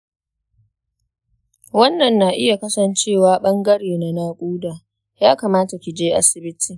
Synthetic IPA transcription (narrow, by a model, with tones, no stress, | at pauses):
wɐ˦nːɐ˨nːaː˨ʔɪ˦ja˨kɐ˦sɐ˨nt͡ʃeː˦˨waː˦ɓɐ˦ŋɡɐ˦ɽeː˨na˨naː˦kʷʼuː˦daː˨ | jaː˦kaː˨maː˦ta˨kʲɪ˨d͡ʒeː˦ʔa̰˦sɪ˨bɪ˦tʰiː˨